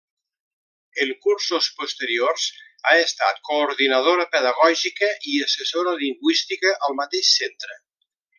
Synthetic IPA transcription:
əlkuɾsospost̪əɾiorz | aest̪a̰t̪koːɾðinaðoɾəpəðaɣɔʒikəʔiəsesoɾaliŋɡwist̪ikəʔalˠmat̪eʃsent̪ɾə

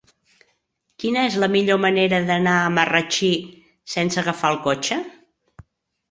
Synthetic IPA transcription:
kinəezləmiʎoməneɾəðənaəmərət͡ʃi | sensəɣəfalˠkot͡ʃə

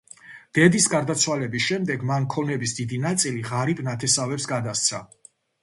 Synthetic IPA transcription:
d̪̥ɛd̪isɡaɾd̪at̪sʰwalɛbisʃɛmd̪ɛɡmankʰɔnɛbisd̪id̪inat̪sʼiliʁaɾibnat̪ʰɛsavɛpsɡad̪ast̪sʰa̰

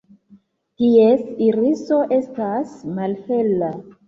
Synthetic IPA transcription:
tiesiɾiso̞ʔe̞stasmalfela

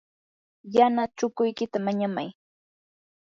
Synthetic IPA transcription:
janat͡ʃʊkʊjkɪt̪amaɲamaj

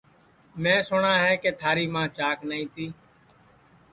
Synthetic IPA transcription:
mɛ̃ːsʊɳaːɦɛːkeːt̪ʰaːɾiːmãːt͡ʃaːknəĩːt̪iː

